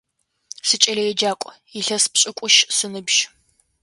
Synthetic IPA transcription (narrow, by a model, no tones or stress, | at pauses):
sɨt͡ʃʼɐɮɐjɛd͡ʒaːkʷʼ | iɬɐspɕʼɪkʷʼʊʃsɨnɨbʒ̥